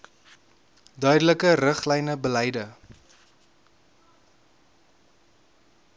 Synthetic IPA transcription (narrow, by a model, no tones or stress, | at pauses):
dœɥdələkərəχlɛjnəbəlɛjdə